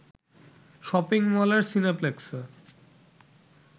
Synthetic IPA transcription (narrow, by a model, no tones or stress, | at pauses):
ʃɔpiŋmɔlaɾsinepleks